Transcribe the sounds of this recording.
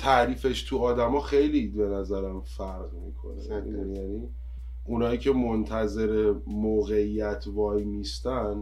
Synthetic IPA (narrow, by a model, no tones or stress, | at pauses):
t̪ʰæʔɾiːfe̞ʃt̪ʰuɒːd̪æmɒːxejlibe̞næzæɾæmfæɾɣmiːkʰo̞̰nḛjæni | ʔunhɒːiːcʰe̞mont̪ʰæze̞ɾemoːɣe̞ijæt̪ʰvɒːjmist̪æn